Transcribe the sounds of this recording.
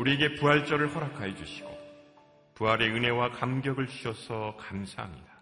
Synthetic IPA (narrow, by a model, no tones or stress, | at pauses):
uɾie̞ɡe̞puɦaɭt͡ɕ͈ʌɾɯɭhʌɾakʰajʌd͡ʑuɕʰi̥ɡ̥o | puɦaɾe̞ɯne̞wakamɡjʌɡɯɭt͡ɕʰiʌsʰʌkamsʰaɦa̰mɲida